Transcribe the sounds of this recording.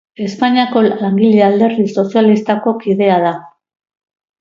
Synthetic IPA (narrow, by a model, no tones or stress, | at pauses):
e̞spaɲiako̞laŋɡiʎeald̪e̞ɾðiso̞sialist̪ako̞kiðe̞aða